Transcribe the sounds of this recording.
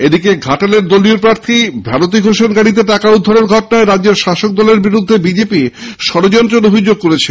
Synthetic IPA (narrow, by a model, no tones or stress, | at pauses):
ed̪ikeɡʱaʈaleɾd̪olioɾpɾaɾt̪ʰibʱanot̪̬iɡʱoʃonɡaɽit̪̬eʈakaud̪ʱːaɾoɾɡʱɔʈonaeɾadːeɾʃaʃok̚d̪ɔleɾbiɾud̪ʱːebid͡ʑepiʃɔɾod͡ʑɔnt̪ɾonobʱid͡ʑoɡ̚koɾet͡ɕʰe